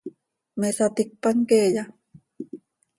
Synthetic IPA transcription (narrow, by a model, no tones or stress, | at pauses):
mesat̪ik̚paŋkeːja